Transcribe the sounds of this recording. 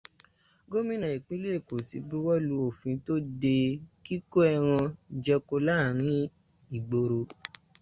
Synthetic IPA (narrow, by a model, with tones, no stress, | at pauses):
ɡo˦mĩ˦nã˨i˨k͡pĩ˦le˦˨ko˨ti˧˦bu˦wɔ˦lu˨˧˦o˨fĩ˨˧to˦de˧ki˦ko˦ɛ˧ɾ̃ã˧d͡ʒɛ˧ko˧la˦˨ɾ̃ĩ˨˦ | i˨ɡ͡bo˧ɾo˧